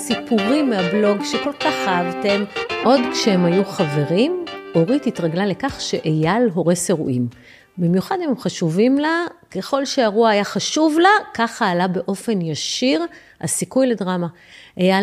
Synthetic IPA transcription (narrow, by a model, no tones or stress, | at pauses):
sipuʁimːeablo̞ɡʃeko̞lkaχaavte̞mʔo̞dkʃehemhajuχave̞ʁimo̞ʁititʁaɡlale̞kaχʃe̞ʔejalɦo̞ʁeseʁuʔim | bimjuχadhememχaʃuvimlake̞χo̞lʃeaʁuaːjaχaʃuvlakaχaːlabe̞ʔo̞fe̞njaʃiʁ | a̰sikujledʁama | ʔeja